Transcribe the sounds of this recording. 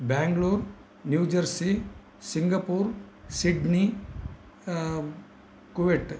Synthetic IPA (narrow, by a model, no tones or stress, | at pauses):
bɛ̃ːŋɡloːɾ | njuːd͡ʒɐɾsi | sɪŋɡapuːɾsiɖni | kuʋeʈ